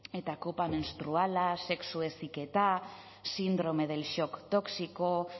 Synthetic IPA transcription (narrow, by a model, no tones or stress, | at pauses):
e̞t̪ako̞pamenst̪ɾualase̞ksue̞sike̞t̪a | sind̪ɾo̞me̞ð̞e̞lʃo̞kt̪o̞ksiko